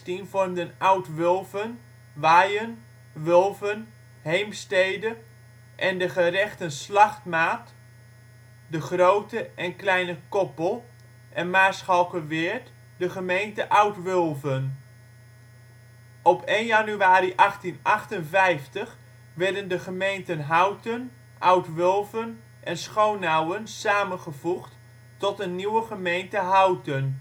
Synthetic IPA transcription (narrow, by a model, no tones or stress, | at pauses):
tinvɔrmdənawtʋɵlˠvən | ʋaːjən | ʋɵlˠvən | hejmstejdə | ʔɛndəχərɛχtənslɑχtmaːt | dəχrowtəʔɛnklɛjnəkɔpəlˠ | ʔɛnmaːsχɑlˠkəʋɪːɹt | dəχəmejntəʔawtʋɵlˠvən | ɔpenjanyaːɾiʔɑχtinʔɑχtənvɛjftəχ | ʋɛɹdəndəχəmejntənɦawtən | ʔawtʋʏlˠvən | ʔɛnsχownawənsaːmənχəvuχt | tɔtənːiwəχəmejntəɦawtən